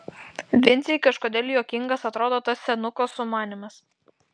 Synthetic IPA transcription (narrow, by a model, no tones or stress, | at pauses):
ʋʲɪnʲt̪ʲekɐʃkoːd̪ʲɛːlʲjoːkʲɪŋɡɐsɐt̪ɾoːd̪oːt̪ɐsːʲɛnʊkosʊmɑːnʲɪmɐs